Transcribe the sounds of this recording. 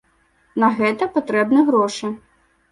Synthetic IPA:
nɐɣɛt̪ɐpat̪ɾɛbnɨɣɾɔʂɨ

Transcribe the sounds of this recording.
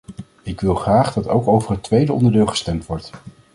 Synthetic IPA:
ɪkʋɪlˠχraːχdɑtowkowvəɹɦətʋejdəɔ̰ndəɹdɪːlˠχə̥stɛmtʋɔɹt

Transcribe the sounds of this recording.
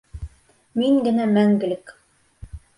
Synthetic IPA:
miŋɡɘ̆næmæŋɡɘ̆lɘk

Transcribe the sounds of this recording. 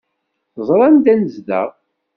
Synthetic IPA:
θzˤɾˤɑnd̪ænəzðæ̰ʁ

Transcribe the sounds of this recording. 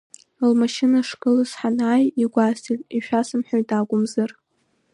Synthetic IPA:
lmaʃɪnaʂkʼɨlɨzħanaːjiɡʷasitʼiʃᶣasɨmħʷᶣaɥtʼaɡʷʼʊmzɨr

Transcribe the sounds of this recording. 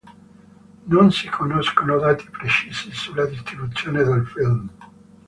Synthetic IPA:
nonsikʰonoskonod̪aːt̪i̥pɾet͡ʃiːsisulːad̪ist̪ɾibut̪sːjoːned̪elfilm

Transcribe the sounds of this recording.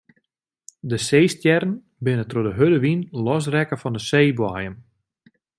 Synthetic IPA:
dəseːstjɛrən | bɪnətrodəɦødəʋinlɔs̬rɛkəfɔndəseːbwajəm

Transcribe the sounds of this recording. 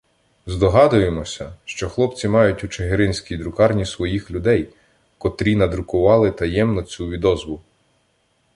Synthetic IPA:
zd̪ɔɦɑd̪ʊjemɔsʲɐʃt͡ʃɔxlˠɔpt͡sʲimɑjʊtʲut͡ʃeɦeɾɪnʲsʲkʲijd̪ɾʊkɑrnʲisʋɔjixlʲʊd̪ɛj | kɔt̪ɾʲinɐd̪ɾʊkʊʋɑlˠɪt̪ɐjɛmnɔt͡sʲuʋʲid̪ɔzʋʊ

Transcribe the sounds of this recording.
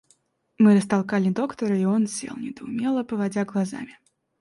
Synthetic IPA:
mɨɾɐst̪alˠkalʲid̪ɔkt̪ɐɾɨiɔnsʲɛ̰lˠnʲɛd̪̥ɐʊmʲɛlˠɐpɐvad͡zʲaɣlˠaza̰mʲi

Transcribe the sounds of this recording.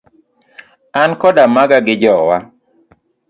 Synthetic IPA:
ankɔdamaɡaɡɪd͡ʒɔwa

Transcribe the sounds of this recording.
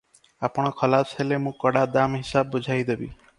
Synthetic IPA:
apɽ̃ɔkʰəlashelemũːkɔɽad̪amɦɪsabːɔd͡ʒʱajd̪ebḭ

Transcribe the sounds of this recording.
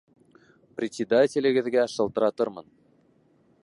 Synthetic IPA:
prʲɪsʲed̪atʲĕlʲɘ̆ɡɘ̆ðɡʲæʃɤ̆lˠt̪ɤ̆ɾɑt̪ɤ̆ɾmɤ̆n

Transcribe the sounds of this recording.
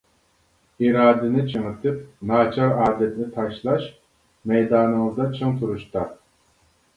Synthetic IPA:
iɾɑːd̪ɪnɪt͡ʃʰɨŋɨt̪ʰɨp̚nɑːt͡ʃʰɑɾɑːd̪ɛt̪nɪt̪ʰɑʃlˠɑʃ | mɛjd̪ɑːnɨwəzd̪ɑt͡ʃʰɨŋt̪ʰuɾuʃt̪ɑ

